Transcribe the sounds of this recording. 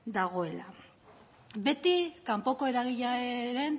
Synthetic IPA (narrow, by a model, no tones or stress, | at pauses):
d̪aɣ̞o̞e̞la̰ | be̞t̪ikampo̞ko̞e̞ɾaɣiʎaeɾe̞n